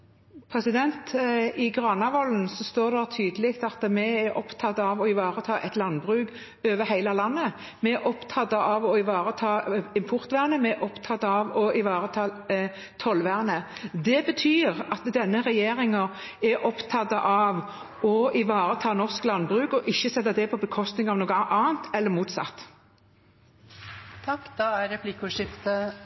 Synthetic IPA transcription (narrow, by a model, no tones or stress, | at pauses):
pʰɾɛsɪd̪ɛnt̪ɪɡʁɑːnɑʋɔln̩sɔst̪oːʁd̪ɛt̪ʰyːd̪əlɪkt̪ɑt̪əmɛæɾʔɔpt̪ʰɑt̪ːɑʋɔɪʋɑːʁət̪ʰɑːʔɛt̪lɑnbʁʉːɡ | øːʋəhæɪləlɑnːə | mɛɛʔɔpt̪ʰɑt̪ːəʔɑʋɔɪʋɑːʁət̪ʰɑːɪmpʰʊʁt̪ʋæːʁnəmɛʔɔpt̪ʰɑt̪ːɑʋɔʔɪʋɑːʁət̪ʰɑː | t̪ʰɔlʋæːʁnəd̪ɛbət̪ʰyːʁɑt̪d̪ɛnːəʁɛjeːʁɪŋəʁ | ɛʔɔpt̪ʰɑt̪ːɑʔɑʋ | ɔɪʋɑːɾət̪ʰɑːnɔʁsklɑnbʁʉːkɔʔɪçːəsɛt̪ːəd̪ɛpʰɔbəkʰɔst̪nɪŋɑʋnoːɡʔɑːənt̪ɛlːəmuːt̪sɑ̰t̪ː | t̪ʰɑkːd̪ɑæɾɾɛpʰlɪkʊʂɪft̪ə